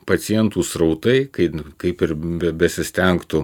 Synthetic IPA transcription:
pɐt̪sʲɪjɛnt̪uːsɾɐʊt̪ɐɪkɐɪkɐɪpɪɾbʲɛbʲɛsʲɪsʲt̪ʲɛŋkt̪ʊ

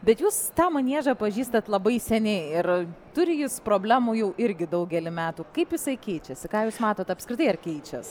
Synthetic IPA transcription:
bʲɛt̪juːst̪ɑːmɐnʲiɛʒɐpɐʒʲiːst̪ɐt̪lˠɐbɐɪsʲɛnʲɛɪɪrt̪ʊɾʲɪjɪspɾoːbʲlʲæːmujɛʊʔɪɾʲɡʲɪd̪ɐʊɡʲɛlʲɪmʲæːt̪uːkɐɪpjɪsɐɪkʲɛɪt͡ʃʲɛsʲɪkɑːjuːsmɑːt̪oːt̪ɐpskɾʲɪt̪ɐɪɐrkʲɛɪt͡ʃʲɛs

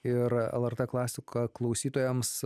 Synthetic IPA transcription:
ɪɾɛ̰lˠɐɾt̪ɛːklˠɑːsʲɪkɐklˠɐʊsʲiːt̪oːjɛms

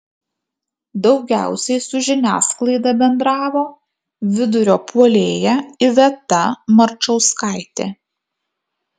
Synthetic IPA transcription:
d̪ɒʊɡʲæ̰ˑʊsʲɛɪsʊʒʲɪnʲæ̰ːsklˠɐɪd̪ɐbʲɛnd̪ɾɑːʋoː | ʋʲɪd̪ʊɾʲoːpuɔlʲeːjɛɪʋʲɛt̪ɐmɐɾt͡ʃɐʊskɑɪt̪ʲeː

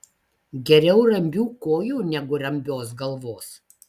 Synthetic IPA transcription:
ɡʲɛɾʲɛʊɾɐmʲbʲuːkoːjuːnʲɛɡʊɾɐmʲbʲoːs̬ɡɐlˠʋoːs

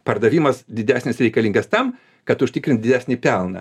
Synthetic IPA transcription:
pɐrd̪ɐʋʲiːmɐsd̪ʲɪd̪ʲæːsʲnʲɪsɾʲɛɪkɐlʲiːŋɡɐst̪ɐm | kɐt̪ʊʃʲt̪ʲɪːkɾʲɪnt̪d̪ʲɪd̪ʲæːsʲnʲiːpʲɛlˠnɐ̰

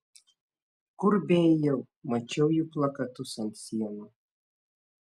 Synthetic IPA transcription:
kʊɾbʲejjɛw | mɐt͡ʃʲɛwjuplˠɐkɐt̪usɐnʲsʲiɛnu

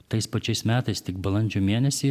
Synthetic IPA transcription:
t̪ɐɪspɐt͡ʃʲɛɪsmʲæːt̪ɐɪst̪ʲɪkbɐlˠɐnʲd͡ʒʲoːmʲeːnʲɛsʲiɪː

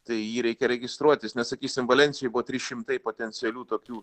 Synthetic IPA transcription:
t̪ɐɪjiːɾʲɛɪkʲɛɾʲɛɡʲɪst̪ɾuɔt̪ʲɪsnʲɛssɐkʲiːsʲɪmʋɐlʲɛnʲt͡ssʲɪjojɪbʊʋoːt̪ʲɾʲɪʃʲɪmt̪ɐɪpoːt̪ʲɛnʲt͡s̪ʲɪɛlʲuːt̪oːkʲuː

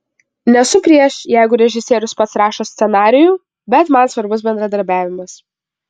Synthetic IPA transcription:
nʲɛsʊpʲɾʲiɛʃjæˑɪɡʊɾʲɛʒʲɪsʲiɛɾʲʊspɐt̪sɾɑːʃoːsʲt̪sʲɛnɑːɾʲɪjuː | bʲɛt̪mɐnsʋɐɾbʊs̬bʲɛnd̪ɾɐd̪ɐɾʲbʲæːʋʲɪmɐs

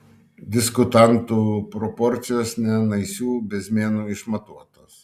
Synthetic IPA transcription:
d̪ʲɪskʊt̪ɑnt̪uːpɾɔpɔɾʲt̪sʲɪjoːsnʲɛnɐɪsʲuːbʲɛsʲmʲeːnuːɪʃmɐt̪uɔt̪oːs

